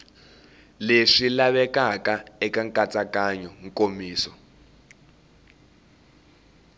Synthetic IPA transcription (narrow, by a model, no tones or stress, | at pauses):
leʂilaβɛkakaɛkaŋkat͡sakaɲɔŋkʼomiːsɔ